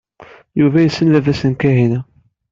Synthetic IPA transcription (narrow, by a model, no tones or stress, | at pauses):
juvæjəsːənlævæsənkæɦinæ